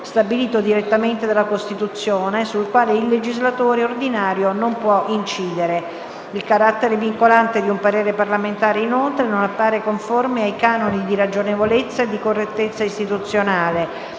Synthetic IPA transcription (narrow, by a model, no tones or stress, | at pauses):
st̪abiliːt̪od̪iɾet̪ːament̪ed̪alːakost̪it̪ut̪sːjoːnesulkwaːleilːed͡ʒizlat̪oːɾeord̪inaːɾjonompwɔʔint͡ʃiːd̪eɾe | ilkaɾat̪ːeɾeviŋkolant̪ed̪iumpaɾeːɾeparlament̪aːɾeinolt̪ɾenonapːaːɾekoɱformiajkaːnonid̪iɾad͡ʒonevolet̪sːaed̪ːikorːet̪ːet̪sːaist̪it̪ut̪sːjonaːle